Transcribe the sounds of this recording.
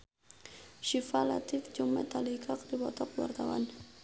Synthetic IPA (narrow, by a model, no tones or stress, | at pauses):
ʃifalat̪ifd͡ʒʊŋmɛ̰t̪alikʰak̚dibɔt̪ɔkwa̰rt̪awa̰n